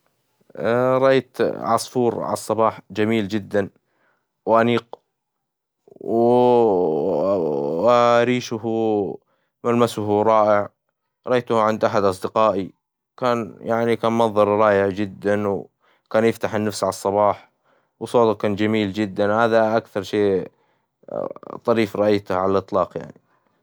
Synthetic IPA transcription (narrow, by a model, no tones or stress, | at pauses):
ɾˤɑʔajt̪ʕɑ̰sˤfuːɾʕa̰lɑsˤːɑbɑːħd͡ʒamiːld͡ʒɪd̪ːan | wʔaniːq | w | ɾiːʃʊh | malmasʊɦɾˤɑːʔɪʕ | ɾˤɑʔajt̪ʊhʕɪnd̪ʔaħad̪ʔɑsˤd̪ɪqɑːʔi | kaːnjaʕnikaːnmɑðˤɑɾˤɾˤɑːjɪʕd͡ʒɪd̪ːanw | kaːnjɪft̪aħɪnːafsʕalɑsˤːɑbɑːħ | wsˤoːt̪ʊkaːnd͡ʒamiːld͡ʒɪd̪ːanhaːðaʔakθɑɾˤʃeː | t̪ˤɑɾiːfɾˤɑʔajt̪ʊhʕalalʔɨt̪ˤlɑːqja̰ʕni